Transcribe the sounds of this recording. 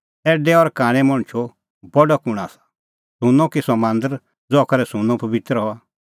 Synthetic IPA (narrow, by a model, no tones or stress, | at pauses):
ɛːɖɛɔɾkãːɽ̃ɛ̃mɔɽ̃t͡ʃʰo | bɔɖɔkʊɽ̃asḁ | sũnɔ̃kisɔmãːnd̪əɾ | d͡zɔːkɐɾɛsũnɔ̃pɐbɪt̪ɾɦɔa